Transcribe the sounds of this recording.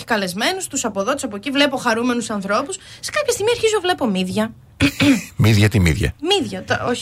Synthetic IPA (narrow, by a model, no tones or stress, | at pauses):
i̥kɐle̞zme̞nust̪usɐpo̞ðo̞t̪e̥sɐpo̞civle̞po̞xɐɾume̞nusɐnθɾo̞pussekɐpçɐst̪iɣmieɾçizuvle̞po̞miðʝɐ | miðʝɐt̪imḭðʝɐ̰miðʝɐt̪o